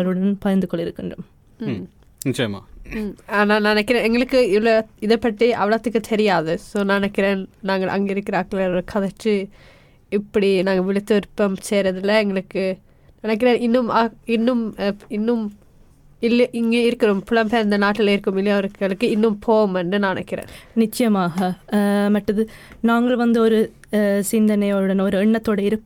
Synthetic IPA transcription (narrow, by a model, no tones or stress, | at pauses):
ɐɾɯɽɐnpɐjɐnd̪ɯkɔɭːɪɾɯkːɪndrɯm | nɪt͡ʃːɐjɐma̰ːaːnaːnɐnɐkːɪɾeːnɛŋɡɐɭɯkːɯɪʋɭɐɪðɐpːɐʈːiʔɐʋɐɭɐt̪ːɯkːɯt̪ʰɛɾɪjaːðɯsoːnɐnɐkːɪɾeːnnaːŋɡɐɭʔɐ̰ŋɡeɪɾɯkːɪɾɐɐkːɐɭɐɾɾɯkʰɐðɐʈːɯ | ɪpːɐɽinaːŋɡɐʋɪɭɪt̪ːɯɪɾpːɐmseːɾɐðɪlɐɛŋɡɐɭɯkːɯ | nɪnɐk̬ːɪɾeːnɪnːɯmɐɪnːɯmɪnːɯm | ɪlːɐʔɪŋɡeːɪɾɯkːɪɾɯmpɪlɐmpeːɪnd̪ɐnaːʈːɪlɐɪɾɯkːɯmɪlːɐjɐʋɐɾɯkːɐɭɯkːɯɪnːɯmpʰoːɣɯmɛnɖɯnɐɳɐ̰kːɪrḛːnnɪt͡ʃːɐjɐmaːɣɐmɐʈːɐðɯnaːŋɡɐɭʋɐnd̪ɯɔɾɯ | sɪnd̪ɐnɐjoɯɽɐnɔɾɯɛɳːɐt̪ːoːɽeɪɾɯkː